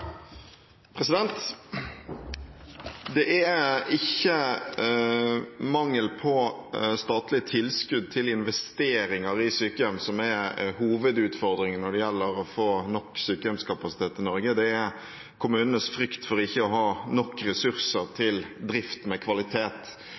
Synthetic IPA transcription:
pʰɾɛsɪd̪ɛnt̪ | d̪ɛʔæɪçːə | mɑŋːəlpʰɔst̪ɑːt̪lɪət̪ʰɪlːskʉd̪̚t̪ʰɪlɪnʋɛst̪eːɾɪŋɑɾɪsyːkəjœmsɔmɛhuːʋəd̪ʉːt̪fɔɾd̪ɾɪŋnɔɖɛjɛlːəɾɔfoːnɔkːsyːkəjœmskʰɑpɑsɪ̥t̪ʰeːt̪ɪnɔɾɡəd̪ɛæ | kʰʊmʉːnənəsfɾʏkt̪fɔɾɪçːəɔɦɑːnɔkːɾɛsʉɾsəɾt̪ʰɪld̪ɾɪft̪mɛkʰʋɑlɪt̪ʰeːt̪

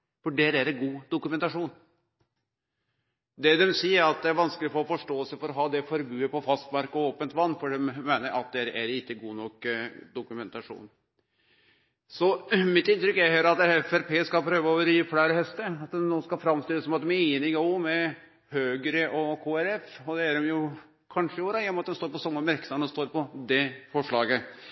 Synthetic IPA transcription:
fɔɖɛɾæɾɡuːd̪ʊkʉmɛnt̪ɑʂuːn | d̪ɛd̪ɛmsiːəɾɑt̪̚d̪ɛæɾʋɑnskəlɪfɔɾɔfɔʂʈoːɛlsəfɔɾɔɦɑːd̪ɛfɔɾbʉːəpɔfɑst̪mɑɾkɔoːpənt̪ʋɑnːfɔɖɛmmːeːnəɾʔɑ̰t̪̚d̪ɛɾæɾɪkːəɡuːnɔkd̪ʊkʉmɛnt̪ɑʂṵːn | sɔmɪt̪ːɪnt̪ɾʏkːæɾhøːɾɑt̪ɛɛfæɾpʰeːskɑlpʰɾøːʋəoːʋəɾiːflæɪɾhɛst̪əɑt̪̚d̪ɛnːoːskɑfɾɑmst̪ɪlːəsɔmɑt̪ːmɛiːnɪɡɑʊmɛ | høːɡəɾəʔɔkʰoːæɾɛfɔd̪ɛæɾɛmjʊ | kʰɑnʂəɪoːɾɑjɛnɔmɑt̪̚d̪ɛmst̪oːɾpɔsɔmːəmæɾksɑnɔst̪oːɾpɔd̪ɛfɔʂɭɑːɡə

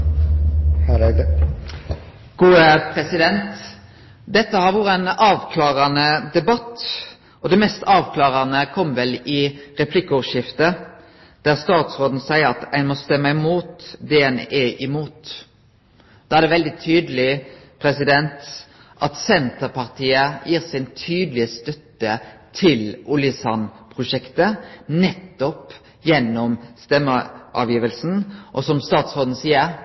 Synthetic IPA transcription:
h | ɡ̥uːəpʰɾɛsɪd̪ɛnt̪ | d̪ɛt̪ːəhɑɾʋuːɾəɛnɑːʋkʰlɑːʁɑnəd̪ɛbɑt̪ | ɔd̪ɛmɛst̪ɑːʋkʰlɑːʁɑnəkʰɔmʋɛlɪʁɛpʰlɪkːəɔʋʂɪft̪ə | d̪̥æʁst̪ɑːt̪sʁoːd̪n̩sæɪəɾɑt̪æɪnmɔst̪ɛmːəɪmuːt̪d̪eːɛneːʔɪmuːt̪ | d̪̥ɑæʁd̪ɛʋɛld̪ɪt̪ʰyːd̪əlɪpʰɾɛsɪd̪ɛnt̪ | ʔɑt̪sɛnt̪əɾpʰɑʁt̪ʰiːəjiːʁsɪnt̪ʰyːd̪lɪəst̪œt̪ːət̪ʰɪlʊlɪsɑnpʰʁʊʂɛkt̪ənɛt̪ːɔp | jɛnːɔmst̪ɛmːəʔɑ̰ːʋjiːʋəlsn̩ʔɔsɔmst̪ɑːt̪sʁoːd̪n̩siːəɾ

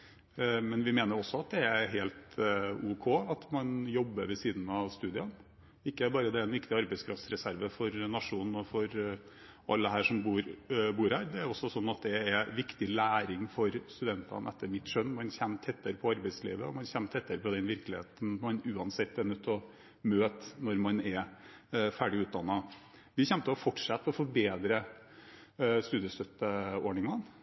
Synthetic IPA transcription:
mɛnʋɪmeːnəɾɔsːɔɑt̪̚d̪ɛæɦeːlt̪ʉːkʰoːɑt̪mɑnjɔbːəɾʋɛsiːd̪n̩ɑʋst̪ʉːd̪ɪɑn | ɪkːəæɾbɑːɾəd̪ɛæɾɛnʋɪkt̪ɪɑɾbɛɪskʰɾɑft̪sɾɛsæɾʋəfɔɾnɑʂuːnn̩ɔfɔɾ | ʔɑ̰lːəɦæːʂɔmbuːɾbuːɾhæːɾd̪ɛæɾɔsːɔsɔnːɑt̪̚d̪ɛːʋɪkt̪ɪlæːɾɪŋfɔɾst̪ʉd̪ɛnt̪ɑ̰nʔɛt̪ʰːəɾmɪt̪ːʂœnːmɑnçɛnːt̪ʰɛt̪ʰːəɾəpʰɔɑɾbæɪslḭːʋəɔmɑnçɛnt̪ʰɛt̪ʰːəɾəpʰɔd̪ɛnʋɪɾklɪheːt̪n̩mɑnʉːɑnsɪt̪ːɛnːʉt̪ʰːɔ | møːt̪nɔɾmɑnɛ | fæːɖɪʉːt̪̚d̪ɑnːɑ | ʋɪçɛnt̪əɔfɔʈʂɑt̪̚ːpʰɔfɔɾbeːd̪ɾə | st̪ʉːd̪ɪəst̪œt̪ːəoːɳɪŋɑn

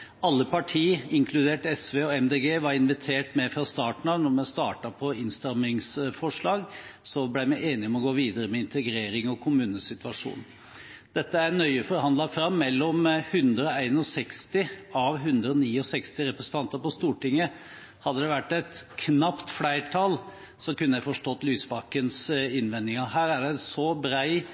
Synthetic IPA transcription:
ɑlːəpɑʈʰiːɪŋkʰlʉd̪eːʈɛsʋeːɔɛmd̪eːɡeːʋɑɾɪnʋɪt̪ʰeːʈmɛfɾɑst̪ɑːʈɳ̩ɑʋnɔɾmɛst̪ɑːʈɑpʰɔɪnst̪ɑmɪŋsfɔʂɭɑːɡsɔblæɪmæɪʔeːnɪɔmɔɡoːʋiːd̪əɾəmɛɪnt̪əɡɾeːɾɪŋɔkʰʊmʉːnəsɪt̪ʉʋɑʂṵːn | d̪̥ɛt̪ːəæɾnœʏəfɔɾhɑnd̪lɑfɾɑmːɛlːɔmhʉnd̪ɾəɔæɪnɔsɛkst̪ɪɑʋɦʉnd̪ɾəɔniːɔsɛkst̪ɪɾɛpɾəsn̩t̪ʰɑnt̪əɾpɔst̪uːʈɪŋːə | hɑd̪ːəd̪ɛʋæʈːɛt̪kʰnɑpt̪flæɪʈʰɑːl | sɔkʉnːəjæɪfɔʂʈɔt̪ːlyːsbɑkːənsɪnʋɛnd̪ɪŋɑɦæːɾæɖæsɔbɾæɪ

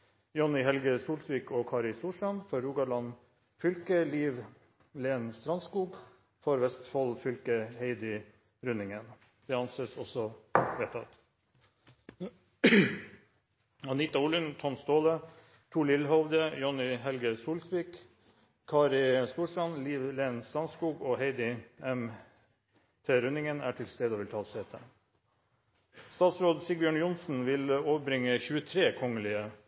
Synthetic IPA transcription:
jɔnɪɦɛlɡəsuːlsʋiːkoːkʰɑːɾɪst̪uːʂɑnfɔɾːuːɡɑɭɑn | fʏlkəliːʋ | leːnst̪ɾɑnskuːɡ | fɔɾʋɛst̪fɔlfʏlkəheɪd̪ɪ | ɾʉnɪŋən | d̪̥ɛɑnsesɔsɔʋeːt̪ʰɑ̰t̪ | ɑnɪt̪ɑuːlʉnt̪ʰɔnst̪oːlə | t̪ʰuːɭɪlɦɔʋd̪əjɔnɪɦɛlɡəsuːlsʋiːk | kʰːɑːɾɪst̪uːʂʈɑnliːʋleːnsɑnskuːɡoːheɪd̪ɪɛm | t̪ʰeːɾʉnɪŋənæ̰ːʈʰɪlst̪eːd̪oːʋɪlt̪ʰɑːseːt̪ʰə̰ | st̪ɑːt̪sɾoːd̪sɪbjøːɳjʊnsn̩ʋɪloːʋəbɾɪŋəçʉːət̪ʰɾeːkʰɔŋəlɪə

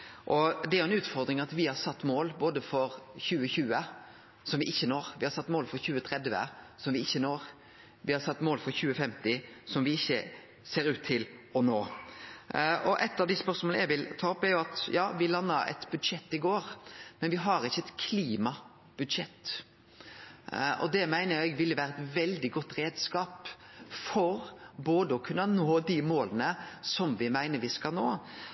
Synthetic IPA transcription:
ʔɔd̪ɛæɾjʊɛnʉːt̪fɔɾd̪ɾɪŋɑt̪ʋɪhɑɾsɑt̪ːmoːlboːd̪əfɔɾçʉːəçʉːə | sɔmʋɪʔɪçːənoːɾʋɪhɑɾsɑt̪ːmoːlfɔɾçʉːət̪ʰɾɛd̪ʋə̰ | sɔmʋɪɪçːənoːɾ | ʋɪhɑɾsɑt̪ːmoːlfɔɾçʉːəfɛmt̪ɪsɔmʋɪɪçːə | seːɾʉːt̪ʰːɪlɔnoː | ʔɔʔɛt̪ːɑʋd̪ɪspœɾsmɔlnəjæʋɪlt̪ʰɑːɔpːæɾjʊɑt̪jɑːʋɪlɑnːəɾɛ̰t̪bʉd̪ʃɛt̪ːɪɡoːɾmɛnʋɪɦɑɾɪçːəɛt̪kʰliːmɑ | b̥ʉd̪ʂɛt̪ː | ɔ̰d̪ɛmæɪnəɛɡʋɪlːəʋæːɾəɛt̪ʋɛld̪ɪɡɔt̪ːɾeːd̪skɑːp | fɔɾboːd̪əɔkʰʉnːənoːd̪imoːlənəsɔmʋɪmæɪnəɾʋɪskɑlno̰ː

